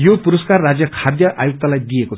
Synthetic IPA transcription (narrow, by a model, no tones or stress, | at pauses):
jopuɾʌskarːad͡zjʌkʰad̪jʌʔajuk̚t̪alajd̪ijeko